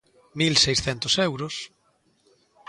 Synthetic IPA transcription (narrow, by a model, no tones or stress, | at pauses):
milsejsθɛnt̪ʊsɛwɾʊs